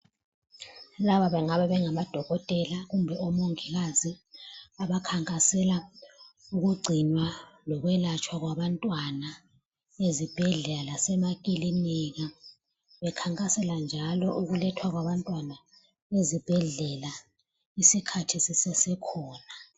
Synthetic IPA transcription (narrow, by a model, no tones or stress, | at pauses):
laβaβɛŋaβɛβɛŋamad̥ʱɔɣɔtʼɛlaɣumbʱɛɔmoŋiɣaziaβakʰaŋkʼasɛla | uɣuɡ͡ǀʱinwalɔɣwɛlat͡ʃʰʼwaɣwaβantʼwana | ezib̥ʱɛɮɛlalasɛmakʼiliniɣa | βɛkʰaŋkʼasɛland͡ʒʱalɔʔuɣulɛtʰwaɣwaβantʼwana | ezib̥ʱɛɮɛla | isikʰatʰisɛsɛsɛkʰɔːna